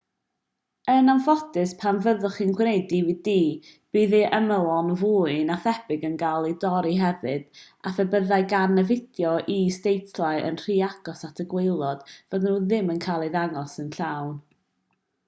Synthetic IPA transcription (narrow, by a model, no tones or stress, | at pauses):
ənamfɔdɨspʰamvəðʊχinɡwnejdividiːb̥iːðiʔəməlˠɔnvuːɨnaθɛb̥ɪɡənɡalˠidɔɾiɦɛvɨd̥ | afɛbəðaɨɡanːəvɪdjɔʔistejtʰlˠaɨʔə̰nr̥iːaɡ̥ɔsatʰəɡwejlˠɔd̥vɔðənuðɪmənkʰaːlˠiðaŋɔsənɬawn